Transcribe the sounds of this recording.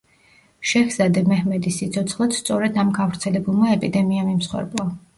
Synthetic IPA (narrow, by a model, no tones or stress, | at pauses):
ʃɛhzad̪ɛmɛhmɛd̪isːit̪sʰɔt̪sʰχlˠɔt̪st̪sʼɔɾɛd̪amɡavɾt̪sʰɛlɛbulˠmaɛpʼid̪ɛmiamimsχwɛ̰ɾbʼɔ